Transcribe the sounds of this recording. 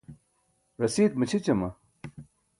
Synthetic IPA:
ɾɐsiːt̪̚mɐt͡ɕʰit͡ɕɐmɐ

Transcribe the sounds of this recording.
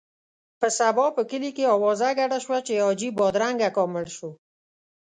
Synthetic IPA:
pəsabɔpəkəlikeɑwɔzaɡaɽaʃwat͡ʃeɔd͡ʒibɔd̪ɾaŋɡakɔmɪlʃo

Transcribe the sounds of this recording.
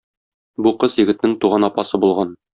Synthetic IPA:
buqɤzjɘ̆ɡɘ̆t̪nɘŋt̪uʁɑnɒpɑsɤbulˠʁɑn

